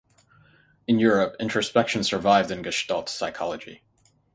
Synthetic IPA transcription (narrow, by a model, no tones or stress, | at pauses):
ɨ̃njʊɹəpɪ̰̃nt͡ʃɹ̥ɨspɛkʃɨ̃n̩z̥sə˞vaɪvdɨ̃nɡɨʃtɔlˠtsaɪkʰɑ̰lˠəd͡ʒḭ